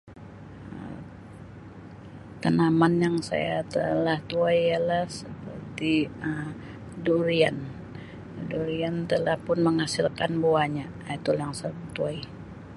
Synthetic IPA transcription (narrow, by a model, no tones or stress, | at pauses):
ə̰ | t̪ənamanjaŋsa̰jat̪ə̰laht̪uajalahsəpərt̪iəm | duɾian | duɾiant̪əlahpʊnməŋasilkanbuaɲa | t̪ulajaŋsat̪uai